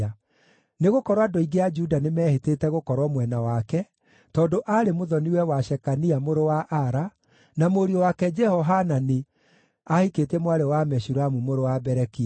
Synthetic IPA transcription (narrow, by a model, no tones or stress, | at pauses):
a | neɣokɔɾwadoiɡead͡ʒudanemɛːhetetɛɣokɔɾwɔmwɛnawakɛ | tɔːndoʔaɾemoðɔniwɛwaʃɛkaniamoɾowaʔaɾa | namoɾiɔwakɛd͡ʒɛhɔɦanane | ahiketɛmwaɾewamɛʃuɾamumoɾowabɛɾɛki